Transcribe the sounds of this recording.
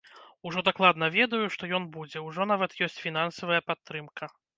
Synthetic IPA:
uʐɔd̪aklˠad̪nɐvʲɛd̪ɐjuʂt̪ɔjɔnbud͡zʲɛwʐɔnavɐt̪jɔsʲt͡sʲfʲinansɐvɐjɐpat̪ːɾɨmkɐ

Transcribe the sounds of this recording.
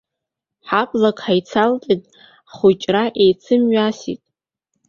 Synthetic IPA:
ħapʼlakʼħajt͡sʰaltʼitʼ | χut͡ʃʼraʔejt͡sʰɨmɥasḭtʼ

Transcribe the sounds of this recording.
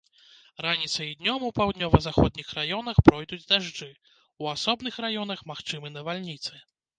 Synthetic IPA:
ranʲit̪sɐid̪nʲɔmupawd̪nʲɔvɐzaxɔd̪̚ʲnʲixɾajɔnɐxpɾɔjd̪ud͡zʲd̪aʐd͡ʐɨ | uasɔbn̪ɨxɾajɔn̪ɐxmaxt͡ʂɨmɨnɐvalʲnʲit̪sɨ

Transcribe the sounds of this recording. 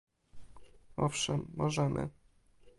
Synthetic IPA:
ɔfʂɛmːɔʐɛmʔɘ̰

